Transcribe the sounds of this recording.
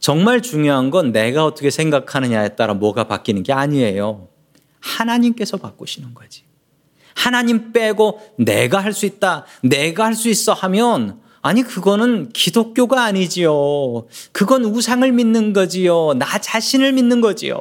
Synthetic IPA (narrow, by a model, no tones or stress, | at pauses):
t͡ɕʌŋmaɭt͡ɕuŋjoɦanɡʌnːe̞ɡaʌt͈ʌkʰe̞sʰe̞ŋɡakʰanɯɲajet̚t͈aɾamwʌɡapa̰k͈inɯnɡe̞aɲie̞jo | hanaɲimk͈e̞sʰʌpak͈oɕʰinɯnɡʌd͡ʑi̥ | hanaɲimp͈e̞ɡone̞̰ɡahaɭs͈uit̚t͈ane̞ɡahaɭs͈uis͈ʌhamjʌn | aɲikɯɡʌnɯnkidok̚k͈joɡaːɲid͡ʑijo | kɯɡʌnusʰaŋɯɭminːɯnɡʌd͡ʑijonat͡ɕaɕʰinɯɭminːɯnɡʌd͡ʑḭjo̰